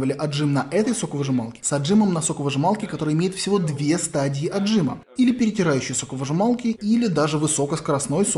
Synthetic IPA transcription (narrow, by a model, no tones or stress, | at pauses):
vəlʲɪʔɐʐɨmnɐʔɛt̪əjso̞kəvəʐɨmalˠkʲɪ̥sɐdʐɨməmnɐso̞kəvəʐɨmalˠkʲɪkɐt̪o̞ɾəjɪmʲejɪt̪fsʲɪvo̞d̪vʲe̞st̪adʲɪɪʔɐdʐɨmə̰ | ilʲɪpʲɪɾʲɪtʲɪɾajʉɕːɪjəso̞kəvəʐɨmalˠkʲɪʔilʲɪd̪aʐɨvɨso̞kəskəɾɐsno̞js